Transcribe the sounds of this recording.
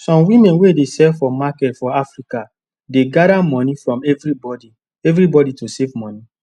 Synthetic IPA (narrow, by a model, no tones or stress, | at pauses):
sɔ̃mwimɛ̃nwedesɛlfɔmakɛtfɔafɹika | deɡadamɔ̃nifɹɔ̃mɛvɹibɔdi | ɛvɹibɔditosevmɔ̃ni